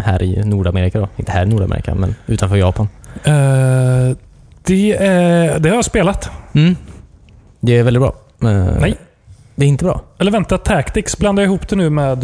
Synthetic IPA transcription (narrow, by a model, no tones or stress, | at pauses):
hæ̰ːɾʔɪ̰j̰nuːɖameːɾɪkad̪ɔɪnt̪əhæːɾɪnuːɖamḛɾɪ̰ka̰mɛ̰nʉ̟ːt̪anfœːɾjɑːpan | d̪̥ɛæd̪ɛhaɾjaspeːlat̪m̩ː | d̪ɛːɾvɛlɪt̪̚bɾɑ̰ː | ɛjj | d̪ɛæɾɪnt̪əbɾɑ̰ːɛlːəɾvɛnt̪at̪ʰːɛkt̪ɪksbland̪ajɪɦuːpd̪ɛnʉ̟ːmɛːd̪